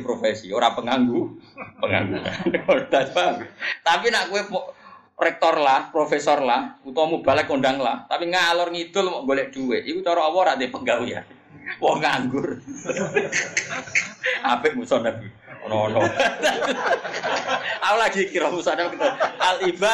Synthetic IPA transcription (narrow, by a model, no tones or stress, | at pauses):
pɾofesioɾapəŋaŋɡupəŋa̰ŋɡuna̰ond̪apawit̪apinaʔkuwemɔʔ | rɛk̚t̪ɔrlahpɾofesɔrlahut̪ɔmub̥alɛkːonɖaŋlaht̪apiŋalɔrŋid̪̥ʊ̤lmɔʔɡoleʔd̥uweʔikut͡ʃɔɾɔːwɔɾaʔd̪epəɡauja̰ | wɔŋaŋɡʊr | ab̥ɪʔmusɔnabi | ɔnɔːnɔa | aulaɡ̥ikiɾɔmusɔnɛkit̪ɔalib̥a